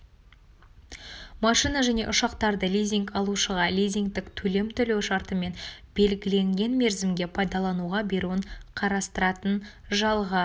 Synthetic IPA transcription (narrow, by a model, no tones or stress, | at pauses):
mɑʃijnɑʒæne̞ʔʊʃɑqt̪ɑɾd̪əlʲijzʲiŋkɑlˠuʃəʁɑlʲijzʲiŋɡt̪ɪkt̪ʰɵle̞mt̪ʰʏlewʃɑɾt̪əme̞nbe̞lɡʲɪle̞ŋɡʲe̞nme̞ɾzɪmɡʲe̞pʰɑjd̪ɑlˠɑnuʁɑbe̞ɾuəɴqʰɑɾɑst̪əɾɑt̪ən | ʒɑlˠʁə